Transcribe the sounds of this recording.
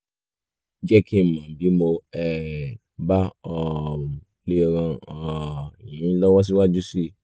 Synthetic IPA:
d͡ʒɛ˦kʰi˦˨mã˨bi˨˦mo˧ɛ˨ | ba˦ɔ˨ | le˦˧ɾã˧ɔ˨i˨ĩ˨˦lɔ˦wɔ˦s̬i˦wa˦d͡ʒu˦si˦˨

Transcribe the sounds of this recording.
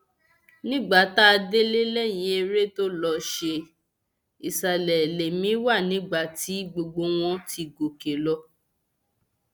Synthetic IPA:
nĩ˦ɡ͡ba˨ta˦a˧de˦le˦le˦˨jĩ˨˦e˧ɾe˦to˦lɔ˧ʃe˧ | i˨sa˨lɛ˨le˨mĩ˨˦wa˦˨nĩ˨˦ɡ͡ba˦˨ti˨˦ɡ͡bo˧ɡ͡bo˧w̃ɔ̃˦tʰi˧ɡo˨ke˨lɔ˧

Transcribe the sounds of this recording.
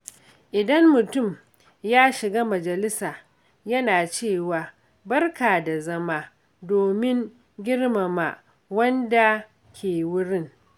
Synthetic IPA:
ʔɪ˨dɐ˦mmʊ˨tʊ˦˨m | jaː˦ʃɪ˨ɡaː˦mɐ˨d͡ʒɐ˨lɪ˦saː˨ | jɐ˦naː˨t͡ʃeː˦˨waː˨ | bɐ˦rkaː˨da˨zɐ˦maː˦ | doː˨mɪ˦ŋ | ɡʲɪ˦rma˨ma˦˨ | wɐ˦nda˨ | kʲʰeː˨wʊ˦ɽɪ˦ŋ

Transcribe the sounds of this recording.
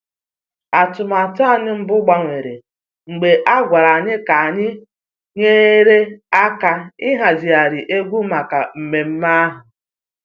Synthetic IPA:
a˨tʊ˨ma˨ta˦˨ɲɪ˦m̩˦bʊ˦ɡ͡ba˦ŋʷe˨ɾḛ˨ | ŋ͡m̩˨ɡ͡be˨ʔa˦ɡʷa˨ɾa˨ɲɪ˦ka˨a˨ɲɪ˦ | ɲe˦ɾe˦a˦ka˦ɪ˦ɦa˨zi˨a˨ɾɪ˨ʔe˦ɡʷu˦ma˨ka˨m̩˨me˨m̩˦ma˦a˦ɦʊ˨

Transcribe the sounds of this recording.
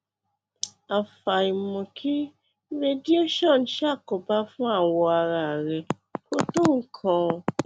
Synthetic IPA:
a˨fa˨i˨mɔ̃˨kʰi˦ | ɾe˧di˦o˦ʃɔ̃˦˨n̩˨˦ʃa˦˨kɔ˨ba˦fũ˦a˦˨wɔ˧a˧ɾa˨ɾɛ˨ | ko˦tõ˦˨ŋ̩˦kʰɔ̃˧

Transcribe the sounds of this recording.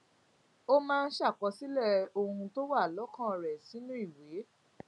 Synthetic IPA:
o˦mãː˦˧n̩˦ʃa˦˨k͡pɔ˨˧˦si˦lɛ˦˨o˧hũ˧to˦wa˦˨lɔ˨˦kã˦˨ɾɛ˨si˨˦nũ˦i˦˨we˨˦

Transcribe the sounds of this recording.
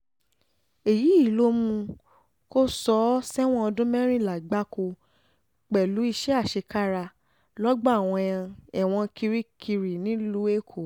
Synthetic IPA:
e˨ji˨˦i˦˨lo˦mũ˧ | ko˦sɔ˧˦sɛ˦w̃ɔ̃˦ɔ˧dũ˦mɛ̃˦ɾ̃ĩ˦˨la˨ɡ͡ba˦ko˧ | k͡pɛ˨lu˨˦i˧ʃɛ˦a˦˨ʃe˧ka˦ɾa˧ | lɔ˦ɡ͡bɔ˦a˦˨w̃ɔ̃˧j̃ã˧ɛ˨w̃ɔ̃˧ki˧ɾi˦kʰi˧ɾi˨nĩ˨˦lu˦e˦kʰo˨

